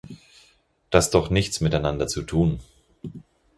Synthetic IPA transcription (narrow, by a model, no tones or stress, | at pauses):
d̥asd̥ɔχnɪçt͡smɪtaɪnandɐt͡sutʰuːn